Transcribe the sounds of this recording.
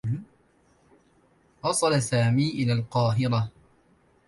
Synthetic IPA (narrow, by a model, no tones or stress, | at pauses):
ʔɑsˤɑlasaːmiːʔɪlaːlqɑːɦɪɾa